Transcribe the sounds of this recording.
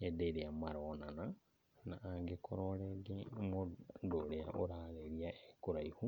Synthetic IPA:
edeɾeamaɾonana | naːŋɡekʰoɾoɾeɡemodoɾea̰ʔoɾaleɾiaekoɾaihu

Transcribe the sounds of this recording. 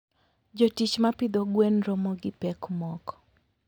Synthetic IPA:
d͡ʒotit͡ʃmapɪd̪ɔɡwenɾɔmɔɡɪpɛkmɔkɔ̥

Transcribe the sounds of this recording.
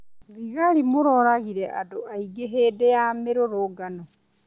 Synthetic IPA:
ɾiɣaɾimoɾoɾaɣiɾeʔa̰doʔaiɡeɦeːdejameɾoɾoɡano

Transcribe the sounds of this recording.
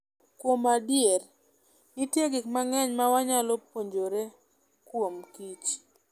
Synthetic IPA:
kwomadjeɾ | nitjeɡɪkmaŋɛɲmawaɲalopoɲd͡ʒoɾe | kwomkit͡ʃ

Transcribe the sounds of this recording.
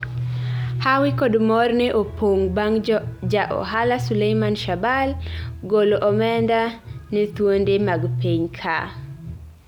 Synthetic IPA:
hawɪkodmɔrnɛʔopʰoŋŋd͡ʒaʔɔ̰ɦalasulejmanʃabalɡoloʔɔmɛndanɛt̪wondemaɡpiɲkʰa

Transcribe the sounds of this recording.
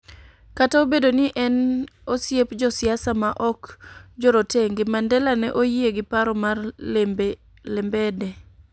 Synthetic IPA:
kataobedonɪʔɛnosjepd͡ʒɔsɪasamaʔɔkd͡ʒoɾoteŋɡɪmandɛlanɛʔojieɡɪpaɾɔmarl | lɛmbɛdɛ

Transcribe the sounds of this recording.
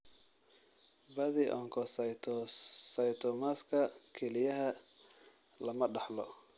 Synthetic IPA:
bɐðiːʔɔːŋkʰɔst̪ʰsɐjt̪ʰɔmaːskʰɐkʰɛlɪjɐɦɐ | lɐmɐɖɑħlɔ

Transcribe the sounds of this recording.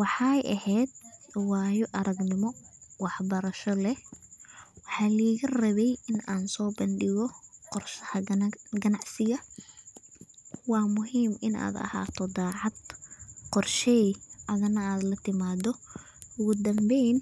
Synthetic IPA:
wɑħɑjʔɐhɛːd̪̚waːjɔʔɐɾɐɡnɪmɔwɑħbɐɾɐʃɔlɛ | wɑħɑːliːɣɐrɐβɛjɪnaːnsɔːbɐnɖɪɣɔqɔrʃɐhɐɡɐnɑʕsɪjɐ | wɑːmʊɦiːmɪna̰ːd̪ɐ̰ha̰ːt̪ʰɔd̪aːʕɑd̪qɔrʃɛjʔɐðɐnɐaːd̪lɐt̪ʰɪmaːd̪ɔ | ʔʊɣʊd̪ɐmbɛjn

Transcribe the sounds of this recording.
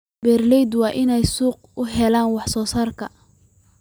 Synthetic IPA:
bɛːrlɛjd̪wɑːʔɪnɛjsuːq̚ʊɦɛlaːnwɑħsɔːsaːrkʰɐ

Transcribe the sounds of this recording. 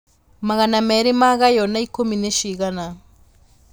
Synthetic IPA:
maɣanameɾimaɣajonaikomineʃiɣana

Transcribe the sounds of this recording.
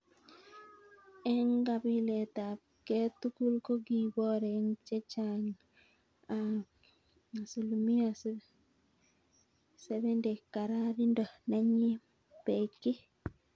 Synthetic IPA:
ɛŋɡabiletap̚ketukulkoɡibɔɾeŋt͡ʃet͡ʃaŋ | a | asulumias | sebɛndekaɾaɾindonaɲi | pekːi

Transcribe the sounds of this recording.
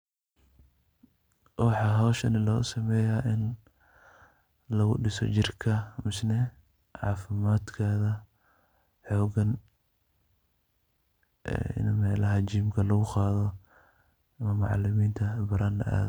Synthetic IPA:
wɑħɑːɦɔwʃɐnɪlɔɣʊsɐmɛːjaːʔɪn | lɐɣʊɖɪsɔ̰t͡ʃɪrkʰɐmɪsnɛ | ʕɑ̰ːfɪmaːd̪kʰaːðɐ | ħɔːɡɐn | ʔɛ̰ːʔɪ̰nmɛːlɐɦɐt͡ʃiːmkʰɐlɐɣʊqɑːðɔ | ɐmɐmɑʕɑ̰lɪmiːnt̪ʰɐbɐɾaːnlɐ̰ʔa̰ːð

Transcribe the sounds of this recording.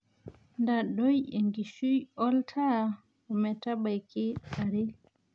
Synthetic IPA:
ndaɗɔjɛŋɡiʃujɔltʰa | ɔmɛtabajkɛaɾɛ

